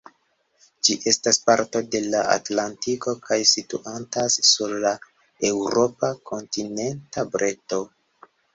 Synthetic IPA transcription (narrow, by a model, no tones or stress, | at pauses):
d͡ʒiʔe̞staspaɾto̞de̞laʔa̰tlantiko̞kʰajsitṵʔantasːuɾla | e̞wɾo̞pakʰo̞ntine̞ntabɾʔeto̞